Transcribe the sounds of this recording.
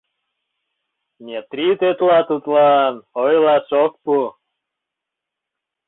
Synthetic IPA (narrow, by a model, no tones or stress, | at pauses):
nʲet̪ɾit̪et̪lɑt̪ut̪lɑnojlɑʃok̚pu